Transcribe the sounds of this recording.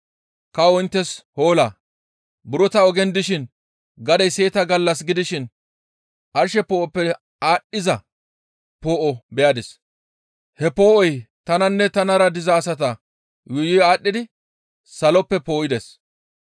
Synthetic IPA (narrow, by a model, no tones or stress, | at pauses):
kɐwɔɪnt̪ːɛshoːlaː | bʊɾɔt̪ɐɔɡɛnd̪ɪʃɪn | ɡɐd̪ɛjseːt̪ɐɡɐlːɐs̬ɡɪd̪ɪʃɪn | ʔɐɾʃɛpoːʔɔpːɛ | aːɗːɪzɐ | poːʔɔbɛjad̪ɪs | hɛpoːʔɔj | t̪ɐnɐnːɛt̪ɐnɐɾɐd̪ɪzɐːsɐt̪ɐ | jʊjɪjaːɗːɪd̪ɪ | sɐlɔpːɛpoːjɪd̪ɛs